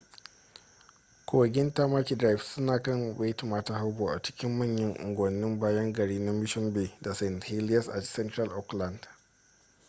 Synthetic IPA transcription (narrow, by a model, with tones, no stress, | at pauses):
kʷoː˨wɐ˨ɡʲɪ˦nta˦maː˦kʲi˨dɾa˨jfsʊ˦naː˨kɐ˦˨ŋbe˦ti˨maː˦ta˦ha˦wboː˨ʔa˨t͡ʃɪ̥˦kʲɪ˦mːɐ˦˨ɲjɐ˦ŋʔʊ̰˨ŋɡʷɐ˨nːɪ˦mbaː˦jɐ˦ŋɡɐ˨ɽiː˦na˦mɪ˦ʃɔ˦nbeː˨da˨sɛ˨nhe˦lɪ˦jɐ˦sʔa̰˨tsɛ˦ntɾa˦˨lʔɔ˦kla˨nd̥